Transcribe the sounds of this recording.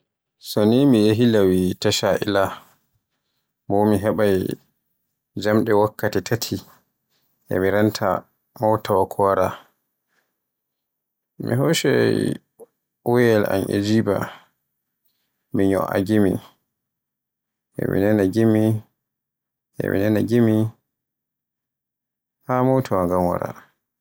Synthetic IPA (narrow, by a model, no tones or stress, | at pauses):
sonimijeɦilawitaʃaʔḭla | bɔmiɦɛɓaj | d͡ʒamɗɛwakːatitʰatʰi | ʔɛ̰miɾantʰa̰ | mɔwtawakʰɔwaɾa | mḭɦɔʃɛ̰ | wɛjɛlʔa̰nʔḭd͡ʒiːba̰ | miɲɔ̰ʔa̰ɡimi | ʔɛ̰mḭnɛnaɡimi | ʔɛ̰mḭnɛnaɡimi | hamɔwtʰawaŋɡamwa̰ɾa̰